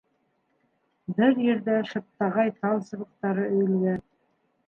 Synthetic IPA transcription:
bɘɾjɘ̆ɾðæʃɤ̆t̪ːɑʁɑjt̪ɑlˠsɤ̆βɤ̆q̚t̪ɑɾɤʔɵ̆jɘ̆lɡæn

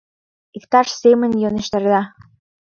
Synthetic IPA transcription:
ikt̪ɑʃsemə̆njoneʃt̪ɑ̆ɾd̪ɑ

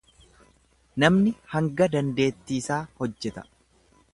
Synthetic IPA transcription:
nɐmnɪhɐŋɡɐd̪ɐnd̪e̞ːt̪ːiːsaːhɔd͡ʒːɛt̪ɐ̥

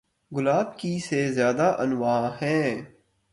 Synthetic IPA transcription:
ɡʊlaːbkisezjaːd̪aʔɐnʋaːɦɛ̃ː

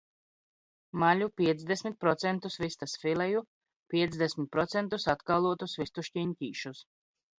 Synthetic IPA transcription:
malʲupʲiɛt̪zd̪esʲmʲit̪̚pɾɔt̪sɛnt̪usvist̪asfilɛju | pʲiɛt̪zd̪ɛsmʲit̪̚pɾɔt̪sɛnt̪usat̪kalˠuɔt̪usvist̪uʃcʲiɲcʲiːʃus

